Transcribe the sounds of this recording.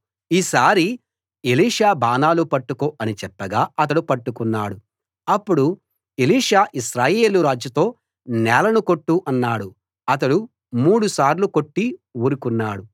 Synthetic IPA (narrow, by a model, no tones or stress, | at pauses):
iːsaːɾi | eliːʂaːbaːnaːlupɐʈːukoːʔɐnit͡ʃɛpːɐɡaːɐt̪̬ɐɽupɐʈːukunːaːɽu | ɐpːuɽu | eliːʂaːʔisɾaːje̞ːluɾaːd͡ʒjɐt̪o̞ː | nɛːlɐnuko̞ʈːuʔɐnːaːɽu | ɐt̪̬ɐɽu | muːɽusaːɾlukoʈːiwuːɾukunːaːɽu